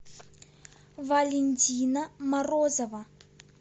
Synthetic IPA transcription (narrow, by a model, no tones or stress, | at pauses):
valʲenʲtʲinamarozɐva